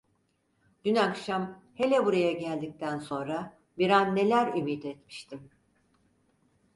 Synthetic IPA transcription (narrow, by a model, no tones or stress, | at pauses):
d̪̥ynakʃamhe̞lʲɛbuɾajaɟælʲd̪ic̚t̪ʰænso̞nɾa | biɾanːe̞lʲæɾymiːt̪ɛt̪mi̥ʃt̪ʰim